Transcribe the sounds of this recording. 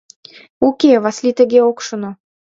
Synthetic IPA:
ukeβɑslit̪ə̆ɣeokʃŏno

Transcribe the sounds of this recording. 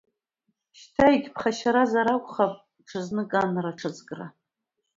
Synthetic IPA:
ʃtʰaiɡʲpʰχaʃaɾazaɾakʷʼχapʼ | ʈ͡ʂʰɨznɨɡʼanraʈ͡ʂʰɨzʼɡʼra

